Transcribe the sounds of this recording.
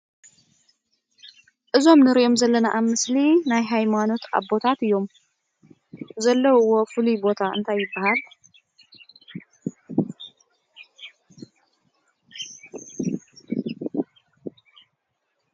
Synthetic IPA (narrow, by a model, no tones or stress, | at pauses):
ʔɨzo̞mnɨɾiʔo̞mzɐlːɐnaʔaβmɨslinajɦajmano̞t̪a̰βo̞t̪ʰat̪ɨjːo̞m | zɐlːɐwwːo̞fɨlujbo̞t̪ʰaɨ̰nt̪ʰajːɪbːahal